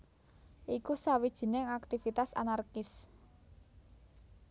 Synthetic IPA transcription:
ʔikusawid̥ʒ̥i̤nɪŋak̚t̪ifit̪asa̰narkɪs

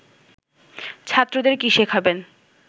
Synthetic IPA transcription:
t͡ɕʰat̪ːɾod̪eɾkiʃekʰaben

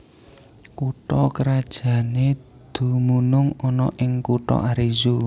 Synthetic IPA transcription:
kuʈɔkəɾad̥ʒ̥ä̤ne | d̪̥ṳmunʊŋɔnɔʔɪŋkuʈɔ̰ʔaɾizu

